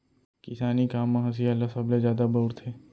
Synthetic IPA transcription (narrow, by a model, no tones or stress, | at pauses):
kɪsaːnikaːmːãɦɐs̬ialasɐbled͡ʒjaːd̪aboːʊɾt̪ʰeː